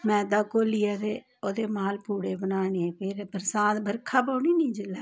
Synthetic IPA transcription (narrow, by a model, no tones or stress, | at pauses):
mɛ̃ːd̪aːkoːliːaːd̪eː | oːd̪eːmaːlpuːɽeːbənaːneːpʰɪɾbəɾsaːt̪bəɾkʰaːp̬aːniːnĩːd͡ʒɪlaː